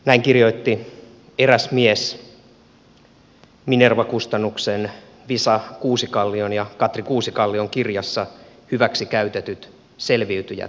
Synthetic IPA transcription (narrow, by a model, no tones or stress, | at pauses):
næiŋkirjo̞it̪ːi | eræsmies | minerʋɑkust̪ɑnːuksen | ʋisɑkuːsikɑlːionjɑkɑt̪rikuːsikɑlːioŋkirjɑsːɑ | hyʋæksikæyt̪et̪yt̪ | selʋiyt̪yjæ̰